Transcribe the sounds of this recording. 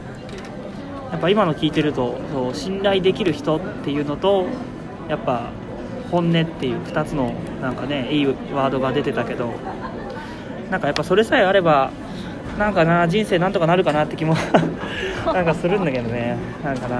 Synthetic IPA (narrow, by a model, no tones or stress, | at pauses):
japːaimano̞kʲiːt̪e̞ɾɯ̟t̪o̞soːɕĩnɾaid̪e̞kʲiɾɯ̟çi̥t̪o̞t̪ːe̞jɯ̟ːno̞t̪o̞ | japːa | hõ̞nːe̞t̪ːe̞jɯ̟ːɸɯ̟̥t̪at͡sɨno̞nãŋkane̞iː | βaːd̪o̞ɡad̪e̞t̪e̞t̪ake̞d̪o̞ | nãŋkajapːaso̞ɾe̞saeaɾe̞ba | nãŋkanad͡ʑĩɰ̃se̞ːnãnt̪o̞kanaɾɯ̟kanat̪ːe̞kʲimo | nãŋkasɨɾɯ̟̃nd̪ake̞d̪o̞ne̞ | nãŋkana